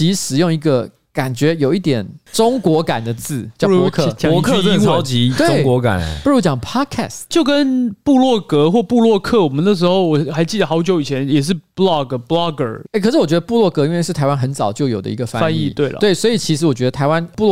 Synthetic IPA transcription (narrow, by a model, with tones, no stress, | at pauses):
i˧˥ʂɻ̩˨˩jo˥˩ŋi˧˥ɡə˧ | ka˨˩nt͡ɕɥɛ˧˥jo˨˩ʊi˥˩t̪jɛ˨˩nʈ͡ʂʊ˥ŋkwɔ˧˥ka˨˩nd̪ə˦t͡sɹ̩˥˩t͡ɕjɑ˥˧˥kʰə˥˩ɑ˥ʊt͡ɕi˧˥t̪weʊ˥˩ɪŋkwɔ˧˥ka̰˨˩npu˥˧ɻu˦˥t͡ɕjɑ˨˩ŋpʰɑ˥d̚kʰɛ̰˥˧˩stt͡ɕjo˥˩ʊkə˦˥npu˥˧lwɔ˥˩kɤ˧˥xwɔ˥˧pu˥˧lwɔ˥˧kʰɤ˥˩wɔ˨˩mə˦nə˥˩ʂ̬ɻ̩˧˥xo˥˩ʊwɔ˨˩xa˧˥ɪt͡ɕi˥˩d̪ə˩xɑ˧˥ʊt͡ɕjo˧˥ʊi˨˩t͡ɕʰɛ˧˦njɛ˨˩ʂ̬ɻ̩˥˩blɑ˥˩ɡblɑ˥ɡə̰˞˨˩e˥˩kʰɤ˨˩ʂɻ̩˥˩wɔ˨˩ɥɛ˧d̪ə˧pu˥˧lwɔ˥˩kɤ˧˥i˥nwe˥˧ɪʂɻ̩˥˩tʰa˧˥ɪwa˥nxə˧˦nt͡sɑ˨˩ʊt͡ɕjo˥˩ʊjo˨˩ʊd̪ə̰˦i˧ɡə˧˩fa̰˦a˥˦ni˥˧˩t̪we˥ɪlə̰˦t̪we˥˩ɪswɔ˧˥i˨˩t͡ɕʰi˧˥ʂɻ̩˧˥wɔ˨˩t͡ɕɥɛ˧d̪ə˧t̪ʰa˧˥ɪwa˦npu˥˧lɔ˥˩